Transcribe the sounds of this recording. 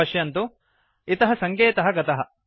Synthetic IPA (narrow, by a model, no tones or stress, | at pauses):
ɐʂjɐnt̪u | it̪ɐɦɐsɐŋkeːt̪ɐɦɐɡɐt̪ɐɦɐ